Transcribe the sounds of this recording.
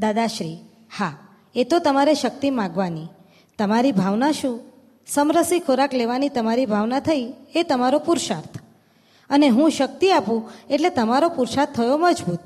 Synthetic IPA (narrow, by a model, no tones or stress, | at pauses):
d̪ad̪aʃɾi | ha | et̪ot̪əmaɾeʃək̚t̪imãɡʋani | t̪əmaɾibʱaʋnaʃũ | səmɾəsikʰoɾakleʋanit̪əmaɾibʱaʋnat̪ʰəiet̪əmaɾopuɾʃaɾt̪ʰ | əneɦũʃək̚t̪iapũeʈlet̪əmaɾopuɾʃaɾt̪ʰːəjoməd͡ʒbut̪